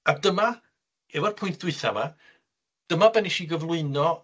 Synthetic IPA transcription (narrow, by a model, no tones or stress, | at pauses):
adəma | ɛvɔrpʰʊjnt̚ʰd̥wɨθa̰va | d̥əmabɛniʃiɡəvlˠʊɨnɔ